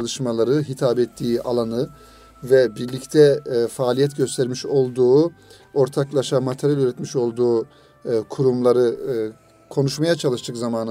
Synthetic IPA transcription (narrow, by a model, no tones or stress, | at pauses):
lˠɯʃmalˠaɾɯɦit̪ʰaːbɛt̪ʰːiːʔalˠanɯ | vɛbiɾlʲict̪ʰɛfaːlʲijɛt̪ɟø̞st̪ʰɛɾmiʃo̞lˠd̪uː | o̞ɾt̪ʰaklˠaʃamat̪ʰeɾjalʲyɾɛt̪miʃo̞lˠd̪uː | kʰuɾumlˠaɾɯ | kʰo̞nuʃmajat͡ʃʰalˠɯʃt̪ʰɯkzamaːnɯ